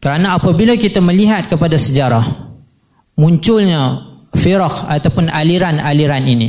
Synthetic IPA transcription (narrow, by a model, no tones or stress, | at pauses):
kəɾanaapabilakit̪aməliɦat̪̚kəpadasəd͡ʒaɾah | mũɲt͡ʃʊlɲafiɾɔkat̪apʊnaliɾanaliɾanini